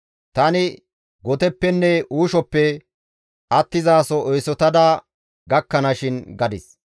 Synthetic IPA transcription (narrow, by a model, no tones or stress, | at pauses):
t̪ɐnɪ | ɡɔt̪ɛpːɛnːɛʔuːʃɔpːɛ | ʔɐt̪ːɪzaːsɔɔjsɔt̪ɐd̪a | ɡɐkːɐnɐʃɪnɡɐd̪ɪs